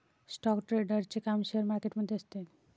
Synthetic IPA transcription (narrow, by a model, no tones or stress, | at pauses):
sʈɔkʈɾeɖəɾt͡ɕekamʃeaɾmaɾkeʈmod̪ʱːeast̪en